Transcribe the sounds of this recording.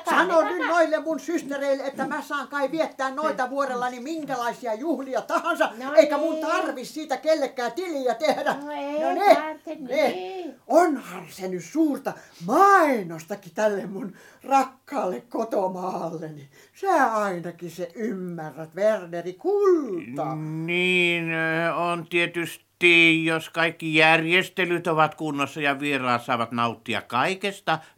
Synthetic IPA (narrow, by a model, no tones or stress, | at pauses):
sɑnonynnoilːemmunsyst̪ereilːeet̪ːæmæsɑːŋkɑiʋiet̪ːæːnnoit̪ɑʋuorelːɑnimiŋkælɑisiɑjuhliɑt̪ɑhɑnsɑeikæmunt̪ɑrʋissiːt̪ækelːekːæːt̪ilijæt̪ehdænnene | onhɑnsenyssuːrt̪ɑmɑinost̪ɑkːit̪ælːemmun | rɑkːɑːlːekkot̪omɑːlːeni | sæɑinɑkiseʔymːærːæt̪ʋernerikult̪ɑːniːnont̪iet̪yst̪ijoskɑikːijærjest̪elyt̪oʋɑt̪kunːosːɑjɑʋierɑːt̪sɑˑeʋɑt̪nɑˑut̪ːiɑ̰kkɑikest̪ɑ